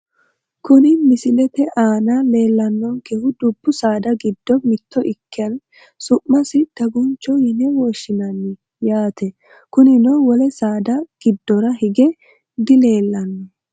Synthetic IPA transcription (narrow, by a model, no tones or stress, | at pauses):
kʊnɪmɪsɪlɛt̪ɛʔaːnaleːlːɐnːɔŋkɛhʊd̪ʊbːʊsaːd̪ɐɡɪd̪ːɔmɪt̪ːɔʔɪkːɪjɐn | sʊʔːɐsɪd̪̥ɐɡʊnt͡ʃːɔjɪnɛwɔʃɪnɐnːɪ | jaːt̪ʰɛ | kʊnɪnɔwɔlɛsaːd̪ɐɡ̥ɪd̪ːɔɾɐhɪɡɛ | d̪ɪle̞ːlːɐnːɛ